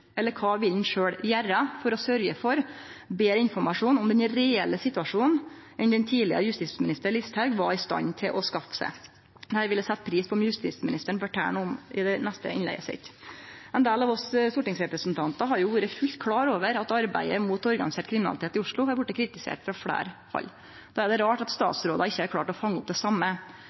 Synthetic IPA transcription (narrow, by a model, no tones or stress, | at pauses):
ɛlːəɾkʰɑːʋɪld̪n̩ʂøːɽjæːɾəfɔɾɔsœɾɡəfɔɾbeːɾɪnfɔɾmɑʂuːnɔmd̪ɛnɾɛɛlːəsɪt̪ʉɑʂuːnn̩ | ɛnd̪ɛnt̪ʰiːlɪə̰jʉst̪ɪsmɪnɪst̪əɭɪst̪hæʉɡʋɑɾɪst̪ɑ̰nt̪ʰɪlʔɔskɑfə̥sæ̰ɪ | hæːɾʋɪlːəsɛt̪ːpʰɾiːspʰɔmjʉst̪it̪smɪnɪst̪əɳfœʈʰæ̰ːɳʊmɪd̪ɛnɛst̪ə̰ɪ̰nlɛ̰ɪɡəsɛ̰t̪ɛnd̪eːlɑʋɔsst̪ʊːʈɪŋsɾɛpɾəsnt̪ʰɑnt̪ɑɦɑɾjʊʋuːɾəfʉlt̪kʰlɑːɾoːʋəɾɑt̪ɑɾbæ̰ɪəmuːt̪ɔɾɡɑnɪseːʈkʰɾɪmɪnɑ̰lɪt̪ʰeːt̪ɪʊʂɭʊhɑɾʋʊʈːəkʰɾɪt̪ɪsḛːʈfɾɑfɽæ̰ːɾfɑ̰lː | d̪̥ɑːæɖ̪ɛɾɑːʈɑt̪st̪ɑ̰ːt̪sɾoːd̪ɑɪçːəæɾkʰlɑːʈɔfɑŋːəʊp̚d̪ɛsɑmːə